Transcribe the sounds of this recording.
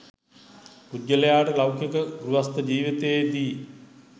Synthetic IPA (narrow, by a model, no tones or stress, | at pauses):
pudːələjaːʈəlawkjekəɡɾuʋast̪əd͡ʒiːʋit̪ejed̪iː